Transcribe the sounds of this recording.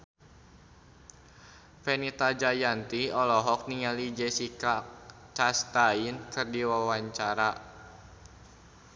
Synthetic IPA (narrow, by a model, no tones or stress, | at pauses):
pɛnit̪ad͡ʒajant̪iɔlɔɦɔk̚niŋalid͡ʒɛsika | t͡ʃast̪ainkɨrdiwawaɲt͡ʃaɾa